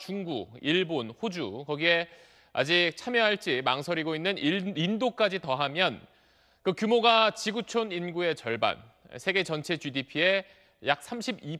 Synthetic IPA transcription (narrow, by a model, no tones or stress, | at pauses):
t͡ɕuŋɡṵiɭbonɸod͡ʑukʌɡie̞ | a̰d͡ʑit͡ɕʰamjʌɦaɭt͡ɕ͈imaŋsʰʌɾiɡoinːɯnindok͈ad͡ʑitʌɦamjʌn | kɯkjumoɡat͡ɕiɡut͡ɕʰoninɡue̞t͡ɕʌɭba̰n | sʰe̞ɡe̞t͡ɕʌnt͡ɕʰe̞t͡ɕudipʰie̞ | jak̚s͈ʰamɕʰibi